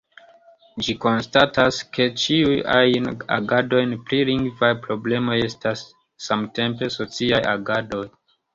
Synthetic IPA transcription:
d͡ʒiko̞nstatʰaske̞t͡ʃiuja̰jna̰ɡado̞jnpɾiliŋɡvajpɾo̞ble̞mo̞je̞stasː | amte̞mpe̞so̞t͡siajaɡado̞j

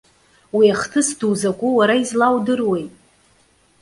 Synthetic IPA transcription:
wiaχtʰɨsdʰuːzakʷʼuwaɾaizlawdɨrwejtʼ

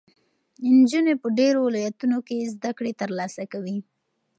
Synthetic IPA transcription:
ɪnd͡ʒunepəɖeɾowɪlɑjat̪unokezd̪akɽet̪əɾlɑsakawi

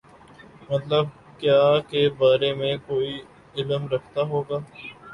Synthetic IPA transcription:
mɐt̪ləb̚ | kjaːkebaːɾemẽkoːi | ɪləmɾɐkʰt̪aɦoːɡaː

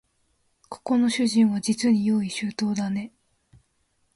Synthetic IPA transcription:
kʰo̥ko̞no̞ɕɨʑĩɰ̃βad͡ʑit͡sɨɲ̟ijo̞ːiɕɨːt̪o̞ːd̪ane̞

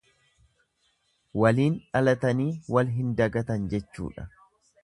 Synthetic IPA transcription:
wɐliːnᶑɐlɐt̪ɐniːwɐlɦɪnd̪ɐɡɐt̪ɐnd͡ʒɛt͡ʃːṵːᶑɐ̰

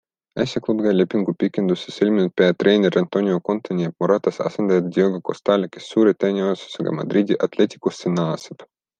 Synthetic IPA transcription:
æsʲjɑklubɡɑlepʲːiŋɡupikːe̞nd̪useselʲmʲinut̪̚peɑt̪re̞ːnʲeɾʔɑnt̪o̞nʲioko̞nt̪onʲiɑpmoɾɑt̪ɑsɑ̰send̪ɑjɑd̪̚d̪ʲioɡoko̞̰st̪ɑlʲekesːuːɾet̪æːnʲiose̥seɡɑ̰mɑ̰d̪ɾid̪ʲiʔɑt̪let̪ʲi̥kust̪ːenɑːseb̥

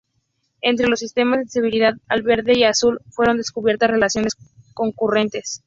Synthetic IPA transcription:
e̞nt̪ɾe̞lo̞sːist̪e̞mazðeseβuɾiðaðalβe̞ɾðe̞iasulfwe̞ɾo̞nd̪e̞skuβje̞ɾt̪asre̞lasjo̞ne̞sko̞ŋkure̞nt̪e̞s

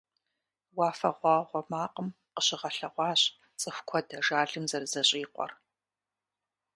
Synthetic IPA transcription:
wɑːfɐ̰ʁʷɑːʁʷɔmaːqəm | qəɕɪʁɐɬɐʁʷɑːɕʼ | t͡sʼɨxʷkʷʰɔdɐʒaːɮɨmzɐrzɐɕʼiːqʷʼɔ̰r

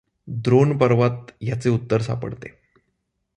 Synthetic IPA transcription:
d̪ɾonpəɾʋat̪jat͡seut̪ːəɾsa̰pə̰ɽt̪e

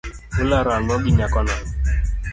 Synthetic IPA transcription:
ulaɾalɔɡiɲakɔna

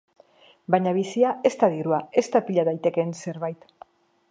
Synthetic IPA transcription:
baɲaβ̞isiae̞st̪aðiɾuae̞st̪apiʎaðajt̪e̞ke̞nse̞ɾβajt̪

